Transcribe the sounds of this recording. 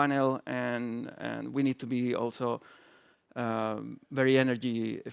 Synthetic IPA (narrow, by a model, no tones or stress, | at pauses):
ɪnəlˠɨ̃nɛ̰̃nwinid̚tʰubiɔ̰lˠso | vɛɹiɛnə˞d͡ʒiɪ